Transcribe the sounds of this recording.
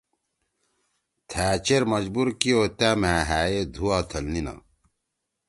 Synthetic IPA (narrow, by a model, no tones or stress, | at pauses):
t̪ʰæːt͡ɕeɾmɐd͡ʑbuɾkioːt̪æːmæːɦæːed̪ʱuaːt̪ʰɐlnina̰